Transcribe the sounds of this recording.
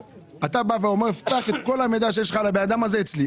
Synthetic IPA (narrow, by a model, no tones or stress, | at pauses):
at̪abaveo̞meʁeft̪aχe̞t̪ko̞lhamed̪aʃejeʃlχalabenad̪amazeet͡sli